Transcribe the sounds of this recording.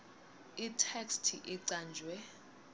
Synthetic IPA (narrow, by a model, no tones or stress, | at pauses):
itʰɛkstʰḭʔiǀaːnd͡ʒʱwɛ